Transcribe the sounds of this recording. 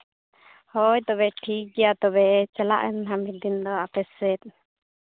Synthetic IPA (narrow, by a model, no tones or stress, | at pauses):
hɔjt̪ɔbɛʈʰiɡijat̪ɔbɛt͡ʃala̰ʔɛnɦamid̪ind̪ɔapɛsɛt̪̚